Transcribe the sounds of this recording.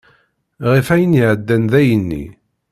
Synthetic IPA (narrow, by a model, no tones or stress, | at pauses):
ʁifæjəniʕəd̪ːænðæjənːḭ